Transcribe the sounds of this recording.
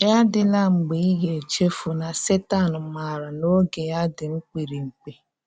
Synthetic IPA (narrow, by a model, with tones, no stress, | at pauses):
ja˦dɪ˨la˦ŋ͡m̩˨ɡ͡be˨i˦ɡe˨t͡ʃe˦fu˨na˨se˦ta˦˨n̩˨ma˨ɾa˨no˦ɡe˨ja˦dɪ˨ŋ͡m̩˦k͡pi˨ɾi˨ŋ͡m̩˨k͡pe˦